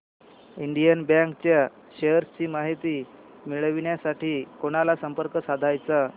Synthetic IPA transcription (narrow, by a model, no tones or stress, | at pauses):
iɳɖijənbjãŋkt͡ɕja | ɕeɦəɾst͡ɕiːmaɦit̪iː | miɭəʋiɳjasaʈʰiːkoɽ̃alasəmpəɾkəsad̪ʱajt͡sa